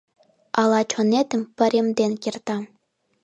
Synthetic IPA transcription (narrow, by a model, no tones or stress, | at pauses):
ɑlˠɑt͡ɕʰŏnet̪ɘ̆mpɘ̆ɾʲemd̪enkʲert̪ɑ